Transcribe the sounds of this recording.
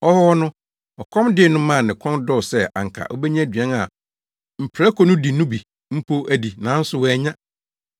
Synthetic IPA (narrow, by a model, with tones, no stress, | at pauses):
ɔ˦hɔ˦wɔ˦nʊ̃˦ | ɔ˨kʰɔ̃˦mdɪ˦˨nʊ̃˦mã˦˨nɪ̃˨kʰɔ̃˦ndɔ˦˨sɛ˦ã̰˨ŋ̩˨kʰa̰˨ʔɔ˦bɛ˦ɲã˦˨dɥɛ̃˦na˨ | m̩˨pʰɾa˦kʰɔ˦nʊ̃˦di˨nʊ̃˦bi˨ | m̩˦pʰo˦æ˨di˨nã˨˦n̩˦sʊ˦wɔ˦ɛ˨˦ɲã˦